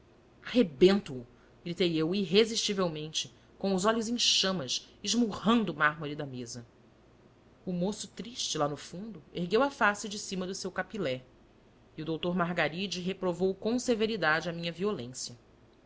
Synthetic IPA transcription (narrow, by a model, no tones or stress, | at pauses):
hebẽnt̪ʊː | ɡɾit̪ejewiɦeziʃt͡ʃivewmẽnt͡ʃɪ | kõw̃ʊzɔʎʊzẽʃɐ̃mɐs | iʒmuhɐ̃nd̪ʊːmaɦmoɾid̪ɐmezɐ | ʊmosʊ̥t̪ɾiʃt͡ʃɪlanʊfũnd̪ʊeɦɡewɐfasɪd͡ʒɪsĩmɐd̪ʊsewkapilɛ | iuʊd̪owt̪oɾmaɦɡaɾid͡ʒɪɦepɾovowkõw̃seveɾid̪ad͡ʒɪɐmĩɲɐviolḛ̃sjɐ